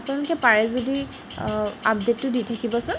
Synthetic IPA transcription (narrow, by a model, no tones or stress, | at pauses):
apnɛlɔkɛpaɹɛzodi | apdetːʊditʰakibɔsʊn